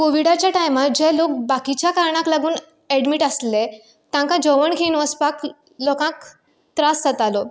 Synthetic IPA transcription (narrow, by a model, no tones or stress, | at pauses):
koʋiɽat͡ɕjaʈajmat̪̚d͡ʑɛlok̚bakit͡ɕjakaɾɳãklaɡuːn | ɛɽɖmiːʈəsle | t̪ãŋkãd͡ʑəʋəɳkʰinʋəspak | lɔkãk | t̪ɾasət̪alo